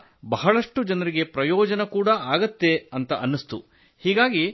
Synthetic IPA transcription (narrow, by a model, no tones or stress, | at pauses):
bɐɦɐɭɐʂʈud͡ʒɐnɐɾiɡe̞pɾɐjɔːd͡ʒɐnɐkuːɽɐaːɡɐt̪ːe̞ɐnt̪ɐʔɐnːist̪ṵ | hiːɡaːɡi